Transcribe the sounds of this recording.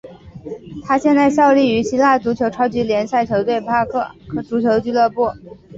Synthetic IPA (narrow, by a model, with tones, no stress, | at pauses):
t̪ʰa˥ɕjɛ˥˧nt͡sa˥˧ɪɕjɑ˥˧ʊli˥˩y˧˥ɕi˥la˥˩t͡su˧˥t͡ɕʰjo˧˥ʊʈ͡ʂʰɑ˥ʊt͡ɕi˧˥ljɛ˧˥nsa˥˩ɪt͡ɕʰjo˧˥t̪we˥˩ɪpʰa˥kʰɤ˥˩kʰɤ˨˩ʈ͡ʂu˧˥t͡ɕʰjo˧˥t͡ɕy˥˧lɤ˥˧pu˥˩